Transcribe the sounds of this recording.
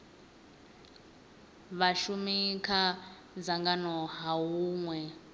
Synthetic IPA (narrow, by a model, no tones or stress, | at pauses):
βaʃumikʰa | d͡zaŋɡanɔɦaɦuːŋwɛ